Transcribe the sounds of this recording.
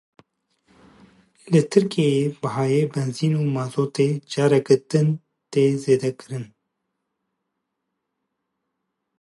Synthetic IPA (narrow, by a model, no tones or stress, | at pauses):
lɨt̪ʰɨɾkejeːbɨhaːjeːbɛnziːnuːmɑːzoːt̪eːd͡ʒɑːɾɛɡɨɾt̪ɨn | t̪eːzeːd̪ɛkɨɾɨn